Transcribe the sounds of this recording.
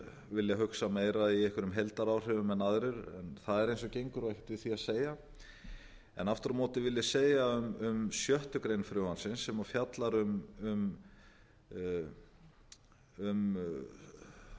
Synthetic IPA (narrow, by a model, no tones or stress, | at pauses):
vɪlːjaɦʏksameːjɾaiɛhkʏɾʏmɦɛlt̪aɾawr̥ɛvʏmɛnaðɾʏɾɛ̰nθaðɛɾejnsɔcejŋkʏɾvahɪ̥t̪vɪðθiaðseːja | ɛ̰naft̪ʏɾʏmɔːt̪ɪvɪljaseːjaʏmʏmsjœht̪ʏkɾejnfɾʏwansɪnsːɛmafjat̪laɾʏmʏm | ʏm